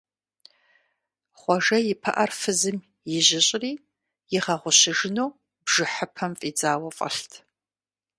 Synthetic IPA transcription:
χʷɔʒɐjɪpʰɐ̰ʔɐrfɨzɨm | jɪʑɪɕʼriː | jɪʁɐʁʷʊɕɪʒɪnoː | bʒɨħəpʰɐmfʼiːd͡zaːwɐfʼɐ̰ɬtʰ

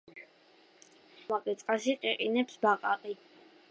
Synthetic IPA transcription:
maqʼit̪sʼqʼasiqʼiqʼinɛpsbaqʼaqʼi

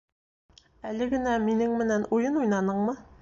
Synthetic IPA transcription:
ælɘɡɘ̆næminɘŋmɘ̆nænujɤnujnɑnɤɴmɤ

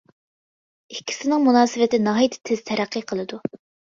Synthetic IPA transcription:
ikʲʰːi̥sɪnɪŋmunɑːsɪvɪt̪ɪnɑɦɑjit̪ʰɪ̥t̪ʰːɪzt̪ʰɛɾæqːiqʰəlˠɨd̪u

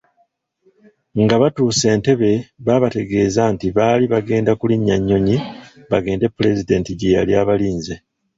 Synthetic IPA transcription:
ŋɡaβatuːse̞ːnte̞βe̞βaːβate̞ɡe̞ːzantiβaːliβaɡe̞ːndakuliɲːaɲːo̞ɲiβaɡe̞ːnde̞pːule̞zide̞ːntiɟeːɾaljaːβaliːnze

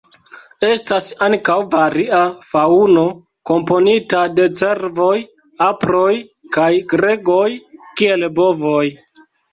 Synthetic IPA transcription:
e̞stasaŋkawvaɾiafauno̞ | ko̞mpo̞nitade̞t͡se̞ɾvo̞j | apɾo̞jkajɡɾe̞ɡo̞jkie̞lbovoj

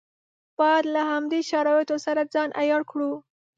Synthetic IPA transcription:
b̥ɑjd̪lahamd̪eʃaɾɑjet̪osaɾad͡zɑnʔa̰jɑɽkɽu

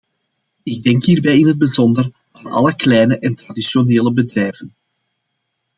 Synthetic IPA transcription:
ɪɡ̚dɛŋkɦiːrbɛjɪnɦəd̚bəzɔndər | aːnɑ̰ləklɛjnəʔɛntradisjoneːləbədrɛjvən

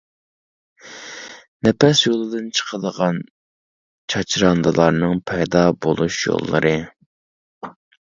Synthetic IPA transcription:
nɛpɛsjolˠɨd̪ɨnt͡ʃʰə̥qʰəd̪əʁɑn | t͡ʃʰɑt͡ʃʰɾɑnd̪ɨlˠɑɾnɨŋpʰɛjd̪ɑbolˠuʃjo̰lˠːɨ̰ɾʔɨ

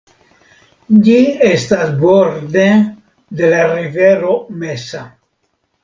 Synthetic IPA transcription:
ɟiest̪asboɾd̪e | d̪elariveɾomesa

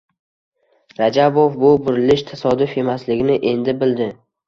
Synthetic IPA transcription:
ɾad͡ʒabofbʊbʊɾɪlɪʃt̪ʰasɒd̪ʊfe̞maslɪɡʲɪnɪʔe̞nd̪ɪbɪld̪ɪ

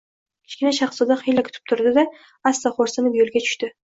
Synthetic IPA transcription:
kʲʰɪ̥ʃkʲɪnaʃɑχsɒd̪aχijlakʲʰʊ̥t̪ʰɪ̥p̚t̪ʰʊɾd̪ɪd̪a | asːaχoɾsanɪpjolˠɡʲat͡ʃʰʊ̥ʃt̪ɪ

